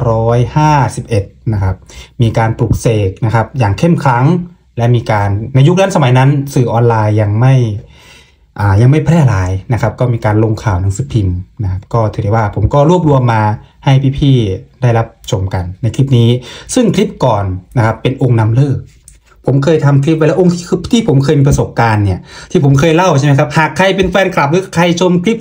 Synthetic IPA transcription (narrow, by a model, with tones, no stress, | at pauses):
ɾɔː˦˥jhaː˥˩si˨˩p̚ʔe˨˩t̪̚na˦˥kʰa˦˥p̚miː˧kaː˧npɾuː˨˩k̚seː˨˩k̚na˦˥kʰa˦˥p̚jaː˨˩ŋkʰe˥˩mkʰɾa˦˥ŋ | lɛ˦˥miː˧kaː˧nːa˧jːu˥k̚na˦˥nsa˧ma˨˦jna˦˥nsɯː˨˩ʔɔː˧nlaː˧jːa˧ŋma˥˩j | ʔaː˨˩ja˧ŋma˥˩jpʰlɛː˥˩laː˨˧jna˦˥kʰa˦˥p̚kɔː˥˩miː˧kaː˧nlo˧ŋkʰaː˨˩wna˨˦ŋsɯː˧˦pʰi˧mna˦˥kʰa˦˥p̚kɔː˥˩t̪ʰɯː˨˦dɛ˧˩waː˧˩pʰo˩˦mkɔː˥˩ɾu˥˩əp̚lu˧əmːaː˧ha˧˥˩jpʰiː˥˩pʰiː˧˥˩da˥˩jla˦˥p̚t͡ɕʰo˧mka˨˩nːa˧jkʰli˦˥p̚niː˦˥sɯ˥˩ŋkʰli˦˥p̚kɔː˨˩nːa˦˥kʰa˦˥pːe˧nʔo˧ŋna˧mlɤː˥˩k̚ | pʰo˩˦mkʰɤː˧jt̪ʰa˧mkʰli˦˥p̚a˧lːʔo˧ŋt̪ʰiː˧t̪ʰiː˥˩pʰo˩˦mkʰɤː˧jmiː˧pa˧so˨˩p̚kaː˧nːi˧˥˩ɐt̪ʰiː˧˩pʰo˩˦mkʰɤː˧jla˥˩wt͡ɕa˧˩˨m˦jkʰa˦˥p̚haː˨˩kʰːa˧jpe˧nfɛː˧nkʰla˨˩p̚lɯː˦˥kʰa˧˩jt͡ɕʰo˧mkʰli˦˥p̚